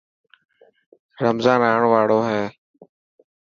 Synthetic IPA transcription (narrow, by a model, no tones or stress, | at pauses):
ɾəmzãːnaːɳʋaːɽoːɦɛː